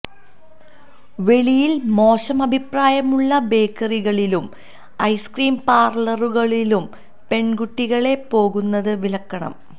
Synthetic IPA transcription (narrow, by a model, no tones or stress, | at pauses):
ʋe̞ɭijilmo̞ːɕɐmɐbʱipraːjɐmuɭːɐbe̞ːkːɐriɣɐɭilum | ɐjskriːmpaːrlɐruɣɐɭilum | pe̞ɳɡuʈːiɣɐɭe̞po̞ːɣunːɐðɨʋilɐkːɐɳɐ̰m